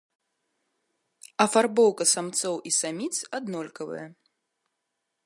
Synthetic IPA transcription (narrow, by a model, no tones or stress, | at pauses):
ɐfarbɔwkɐsamt̪sɔwʔisamʲit̪sad̪nɔlʲkɐvɨ̰jɐ